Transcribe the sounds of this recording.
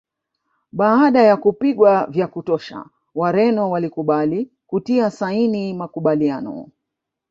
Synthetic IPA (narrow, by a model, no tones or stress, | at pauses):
ɓaːɗajakupiɠwavjakutɔʃa̰ | waɾɛnɔwalikuɓali | kutiasainimakuɓalianɔ̰